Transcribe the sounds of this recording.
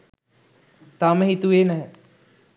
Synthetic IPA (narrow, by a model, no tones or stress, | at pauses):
t̪aməɦit̪uʋeːnəɦ